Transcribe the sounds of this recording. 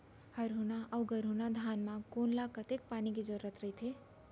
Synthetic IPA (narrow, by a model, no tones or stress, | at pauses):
həɾɦunaʔawɡəɾɦunad̪ʱanmãkonlakət̪ek̚paniked͡ʒoɾːət̪ɾəit̪ʰe